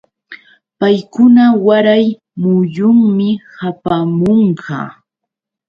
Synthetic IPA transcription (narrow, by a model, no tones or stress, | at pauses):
pajkʊnawaɾaj | mʊjʊŋmɪhapamoɴɢɑ̰ː